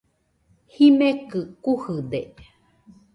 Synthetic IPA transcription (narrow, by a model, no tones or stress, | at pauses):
himẽkɨkuhɨd̪e